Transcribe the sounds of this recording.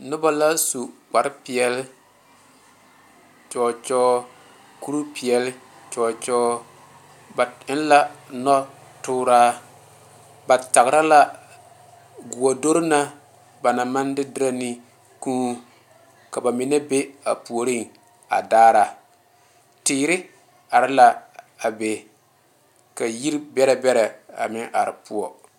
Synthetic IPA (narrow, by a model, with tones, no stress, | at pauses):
nʊ˦ba˦la˦su˨k͡pa˨ɾɪ˦pi˨ɛ˦lɪ˦ | t͡ʃɔː˨t͡ʃɔː˦ | ku˦ɾu˦pi˨ɛ˨lɪ˦t͡ʃɔː˨t͡ʃɔː˦ | ba˨ɪ˦n˦la˦nɔ˦ | tʊː˦ɾaː˦ | ba˨ta˨ɣɾa˦la˦ | ɡʊ˨wa˨do˦ɾna˦ | ba˨na˨ma˦ndɪ˦dɪ˦ɾa˦nɪ˦ | ku˦ | ka˨ba˨mɪ˨nɛ˦be˦a̰˨pu˨o˨ɾi˦ŋ | a̰˨daː˦ɾa˨ | tɪː˨˦ɾɪ˦ | a˨ɾɪ˦la˦ | a˨be˨ | ka˨ji˦ɾbɛ˦ɾɛ˨bɛ˦ɾɛ˨a̰˨mɪ˦ʔa˨ɾɪ̰˨pu˦ɔ˨